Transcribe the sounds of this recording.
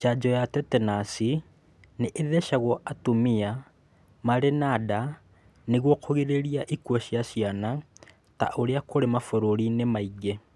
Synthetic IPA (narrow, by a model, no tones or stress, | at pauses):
t͡ʃad͡ʒɔjatɛtɛnasi | neʔeðɛʃaɣwɔʔatomia | maɾenada | neɣwɔkʰoɣeɾeɾiaʔikwɔɕjasiana | ta̰ʔoɾeakoɾemafoɾoɾinemaiɡe